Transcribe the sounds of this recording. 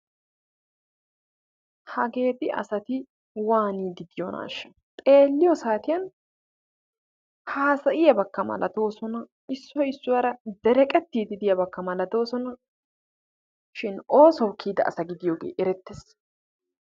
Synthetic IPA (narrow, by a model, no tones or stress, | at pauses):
hɐɡe̞ːd̪ɪʔɐ̰sɐt̪ɪ | waːniːd̪ɪd̪ɪjona̰ːʃɐ̥ | t̪ʼe̞ːlːɪjɔsaːt̪ɪjɐn | haːsɐʔɪjɐbɐkːɐmɐ̰lɐ̰d̪o̞ːsɔnɐ | ɪsːɔɪsːʊwɐɾɐd̪ɛɾɛkʼɛt̪ːiːd̪ɪd̪ɪjɐbɐkːɐmɐlɐd̪o̞ːsɔnɐ | ʃɪno̞ːsɔwkʰːiːd̪ɐʔɐsɐɡɪd̪ɪjoːɡḛːʔɛɾɛt̪ːes